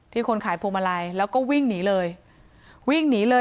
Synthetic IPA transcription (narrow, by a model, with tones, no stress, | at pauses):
t̪ʰiː˥˩kʰo˧nkʰaː˩˦jpʰoː˧mʔa˧ɾa˧jlɛː˦˥wkɔː˥˩wi˥˩ŋniː˩˦lɤː˧j | wi˥˩ŋniː˩˦lɤː˧